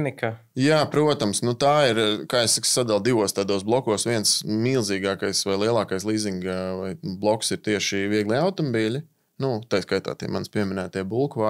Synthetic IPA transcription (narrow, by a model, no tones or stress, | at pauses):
nika | jaːpɾuɔt̪amsnut̪aːiɾkaːessakssad̪alˠd̪iʋuɔst̪aːd̪oːs̬blˠɔkuɔːsʋiɛnsmiːlˠziːɡaːkajsʋajlˠiɛlˠɑːkajslˠiːziŋɡvajblˠɔksiɾt̪iɛʃiviɛɡlˠiawt̪ɔmɔbiːlʲi | nut̪ajskajt̪a̰ːt̪ḭɛmanspʲiɛmʲɪnæːt̪iɛbulˠkʋa